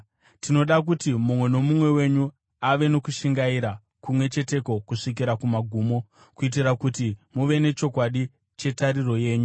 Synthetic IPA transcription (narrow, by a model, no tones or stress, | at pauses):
tino̞ɗak̬utimumwe̞no̞mumwe̞we̞ɲu | aʋe̞no̞kuʃiŋɡaiɾa | kumwe̞t͡ʃe̞te̞ko̞kuʂik̬iɾakumaɡʱuːmo̞ | kuit̬iɾakutimuʋe̞ne̞t͡ʃo̞kwaɗi | t͡ʃe̞taɾiro̞je̞ːɲu